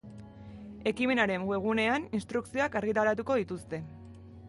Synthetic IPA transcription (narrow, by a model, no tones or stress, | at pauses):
e̞kime̞naɾe̞ŋɡwe̞ɣ̞une̞aninst̪ɾuksio̞akaɾɣit̪aɾat̪̬uko̞ðit̪ust̪e̞